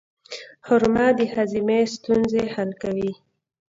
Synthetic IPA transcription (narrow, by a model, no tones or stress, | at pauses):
hʊɾmad̪əhazimest̪unzehalkawi